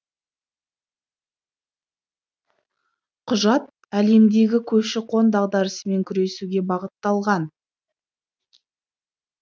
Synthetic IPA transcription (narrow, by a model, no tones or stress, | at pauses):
qʰʊʒɑt̪̚ | æle̞md̪e̞ɡʲɪkʲʰɵpʃɪqʰo̞nd̪ɑʁd̪ɑɾəsəme̞ŋkʲʰʏɾe̞suɡʲe̞bɑʁət̪ːɑlˠʁɑn